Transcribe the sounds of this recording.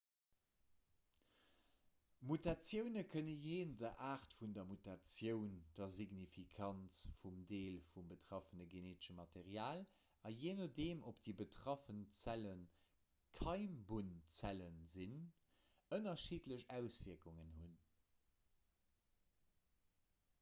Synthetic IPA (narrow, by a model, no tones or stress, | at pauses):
mutat͡sjəʊnəkʰənəjeːndɐʔaːʁtfundɐmutat͡sjəʊnd̥ɐziɡnifikʰɑnt͡sfumdeːlfumbətʁ̥ɑfənəɡeneːtɪ̥ʃəmɑteʁjaːl | ɑjeːnədeːmʔopd̥ibətʰʁ̥ɑfənt͡sælən | kʰɑɪmbunt͡sælənzin | ənɐʃiːtləɕæʊsv̥iɐkuŋənɦun